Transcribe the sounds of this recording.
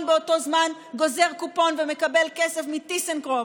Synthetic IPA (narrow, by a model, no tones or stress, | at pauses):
nbeoto̞zman | ɡo̞ze̞ʁkupo̞nvemekabe̞lkesefmitisenkʁo